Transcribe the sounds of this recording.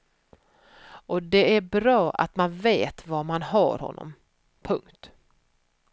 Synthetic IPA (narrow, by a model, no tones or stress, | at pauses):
ɔd̪ɛæɾbɾɑːʔa̰t̪manveːt̪vamanɦɑ̰ːɾhɔ̰nːɔ̰m | pʰɵŋkt̪